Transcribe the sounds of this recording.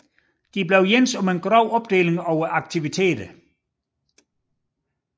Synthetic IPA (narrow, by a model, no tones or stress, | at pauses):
d̥ibleʊjensɒ̽menɡ̥ʁɒʊ̰ɒ̽b̥̚d̥e̝̰ːleŋɒʊɐʔɑ̈ɡ̥̚t͡sʰiʋit͡sʰe̝̰ːd̥ə